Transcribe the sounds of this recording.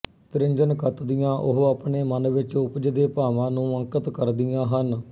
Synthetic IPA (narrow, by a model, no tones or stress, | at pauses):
t̪ɾɪ̃ɲd͡ʒənkət̪d̪ijãːʔʊɦaːpɳeːmənʋɪt͡ʃʊpd͡ʒd̪eːpaːʋãːnũːə̃ŋkət̪kəɾd̪ɪjãːɦən